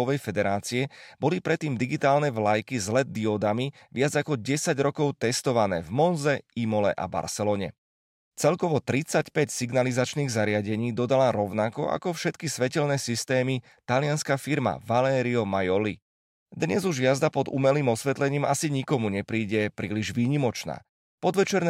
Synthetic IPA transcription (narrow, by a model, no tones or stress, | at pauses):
ɔʋɛjfɛd̪ɛɾaːt͡siɛbɔlipɾɛt̪ːiːmd̪iɡit̪aːlnɛʋlajkizlɛd̪̚d̪ːiɔd̪ami | ʋɪad͡zakɔɟɛsaɟɾɔkɔʊt̪ɛst̪ɔʋanɛ̰ːvmɔnzɛimɔlɛ̰ʔa̰ba̰ɾsɛlɔːɲɛ̰ | t͡sɛlkɔʋɔt̪ɾit͡sacpɛcsiɡnalizat͡ʃniːɣzaɾɪaɟɛɲiːd̪ɔd̪alaɾɔʊnakɔ̰ʔa̰kɔfʃɛt̪kisʋɛcɛlnɛːsist̪ɛːmi | t̪alɪanskafiɾma̰ʋalɛːɾiɔmajɔli | d̪ɲɛzuʒjazd̪apɔd̪ṵmɛliːmɔsʋɛt̪lɛɲiːmasiɲikɔmuɲɛpɾiːɟɛpɾiːliʒʋiːɲimɔt͡ʃna̰ː | pɔd̪ʋɛt͡ʃɛɾn